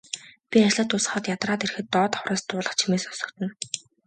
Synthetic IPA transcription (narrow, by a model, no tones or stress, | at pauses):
pʲiat͡ɕɮə̆t̪ːʊsχɔ̆ːt̪jat̪raːt̪erxɘ̆t̪ːɔːt̪ḁχwraːst̪ʊːɮə̆χt͡ɕʰimeːsʊ̥sɞ̆kt̪ə̆n